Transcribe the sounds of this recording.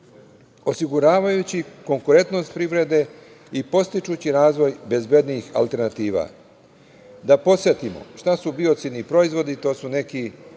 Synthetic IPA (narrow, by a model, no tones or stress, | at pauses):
o̞siɡuɾaːʋajut͡ɕiko̞ŋkuɾe̞nt̪no̞st̪̚pɾiʋɾe̞d̪e̞ | ipo̞st̪it͡ʃuːt͡ɕiɾaːzʋo̞jbe̞zbe̞d̪nixa̰lˠt̪e̞ɾnat̪iːʋa̰ | d̪apo̞sjet̪imo̰ʃt̪asubio̞t̪sid̪nipɾo̞izʋo̞d̪it̪o̞ːsune̞ki